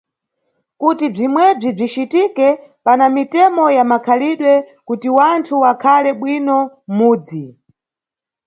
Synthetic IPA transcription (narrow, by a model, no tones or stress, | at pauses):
kutib͡ʐimwɛb͡ʐib͡ʐit͡ʃitikɛpanamitɛmɔjamakʰaliɗwɛ | kutiwantʰuwakʰalɛɓwinɔ | muːd͡zi